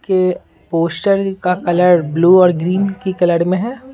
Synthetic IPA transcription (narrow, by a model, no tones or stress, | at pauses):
ke | poːsʈəɾkakɐləɾbluːɔːɾɡɾiːnkikɐləɽmẽɦɛː